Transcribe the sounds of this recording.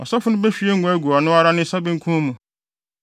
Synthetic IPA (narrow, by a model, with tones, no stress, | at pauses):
ɔ̰˨sɔ˦fʊ˦nʊ̃˦be˦ɕᶣi˦e˦ŋ̩˦ɡʷʊ˨˦ɛ˦ɡu˨a˨nʊ̃˦a˦ɾa˦nɪ̃˦sa˦bɪ̃˦ŋ̩˦kʰũ˦mũ˨